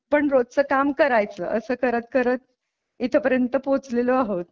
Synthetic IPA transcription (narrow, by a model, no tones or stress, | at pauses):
pəɳɾod̪̚t͡səːkamkəɾajt͡sə̰ːʔəsəːkəɾət̪kəɾət̪̚ | it̪ʰəpəɾjənt̪əpot͡sleləaɦot̪̚